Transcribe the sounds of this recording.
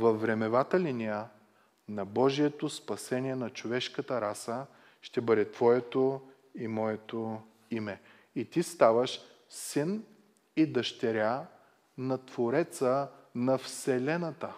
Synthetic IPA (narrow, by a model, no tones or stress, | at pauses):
vɐfːɾɛmɛvat̪əlinia | nɐbɔʒiɛt̪ospɐsɛniɛnɐt͡ʃovɛʃkət̪əɾasə | ʃt̪ɛbɤd̪ɛt̪vɔjɛt̪o | imɔjɛt̪o | imɛ | it̪ist̪avəʃ | sin | id̪ɐʃt̪ɛɾʲa | nɐt̪voɾɛt̪sənɐfsɛlɛnɐt̪ə